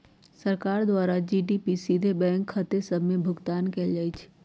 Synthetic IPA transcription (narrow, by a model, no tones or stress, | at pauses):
səɾkaːɾd̪waːɾad͡ʒiɖipisid̪ʱebɛ̃ːŋkʰːət̪esəbʱmẽbʱʊɡt̪aːnkɛld͡ʒaːit͡ʃʰ